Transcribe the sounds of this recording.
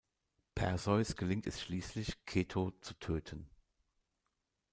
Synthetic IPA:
pʰɛ̰ɐzɔʏsɡ̥əlɪŋtɛsʃliːslɪçkʰeːtʰoːt͡sutʰøːtʰən

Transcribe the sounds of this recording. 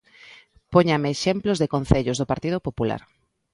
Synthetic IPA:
poɲameːʃemplozðekonθeʎʊzðʊpaɾt̪ið̞opopula̰ɾ

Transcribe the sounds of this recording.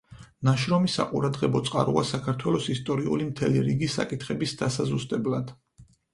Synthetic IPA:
naʃɾɔmisa̰qʼuɾad̪ʁɛbɔt̪sʼqʼa̰ɾṵasakʰaɾt̪ʰwɛlɔsist̪ʼɔɾiṵlimt̪ʰɛliɾiɡisːa̰kʼit̪ʰχɛbisd̪asazust̪ʼɛblad̪̥

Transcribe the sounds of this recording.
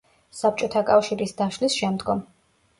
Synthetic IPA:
sap̚ʰt͡ʃʼɔt̪ʰakʼafʃiɾisd̪aʃlisʃɛmd̪ɡɔm

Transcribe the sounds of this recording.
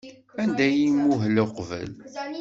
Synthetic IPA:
ænd̪æjimːuɦləqvə̰l

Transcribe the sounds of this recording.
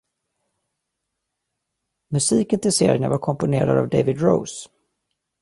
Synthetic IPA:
mɵsiːkənt̪ʰɪseːɾɪəna̰vaɾkʰɔmpʊneːɾa̰d̪a̰vd̪ejvɪd̪ɾo̰ʊs

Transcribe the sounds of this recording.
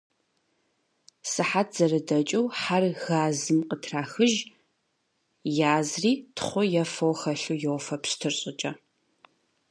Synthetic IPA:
sɨħat̚ʰz̥ɐrɨdɐt͡ʃʼɐwħarɣaːzɨmqətʰraːxɨʒ | jaːzriːtʰχʷʊjɛfɐwxɐɬujɛwfɐpstʰɨrɕʼɪt͡ʃʼɐ

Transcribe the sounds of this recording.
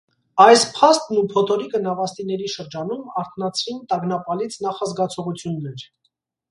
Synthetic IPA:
ɑjspʰɑst̪nupʰɔt̪ʰɔɾikənɑvɑst̪inɛɾiʃəɾd͡ʒɑnumɑɾt̪ʰnɑt͡sʰvint̪ɑɡnɑpɑlit͡sʰn̪ɑχɑzɡɑt͡sʰɔʁut͡sʰjunːɛɾ

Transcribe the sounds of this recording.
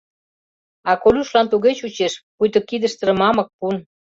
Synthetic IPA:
ɑkolʲuʃlɑnt̪uɣet͡ɕut͡ɕeʃpujt̪ə̆kid̪ə̆ʃt̪ə̆ɾə̆mɑmɤ̆k̚pun

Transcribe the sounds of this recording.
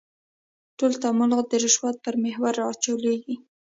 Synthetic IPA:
ʈolt̪amʊlɣd̪əɾɪʃwɑt̪̚pəɾmehwaɾɑːt͡ʃaleɡi

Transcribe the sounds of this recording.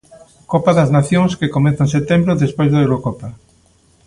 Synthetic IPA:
kopaðɐznaθjõŋskekomɛ̃nθaẽnset̪ẽmbɾoðespojzðaewɾokɔpa

